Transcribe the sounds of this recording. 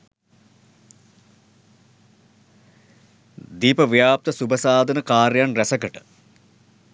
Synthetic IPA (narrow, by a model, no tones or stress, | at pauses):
d̪iːpɐʋjaːp̚t̪ɐsubɐsaːd̪ʱɐnɐkaːɾjaːnresɐkɐʈɨ̥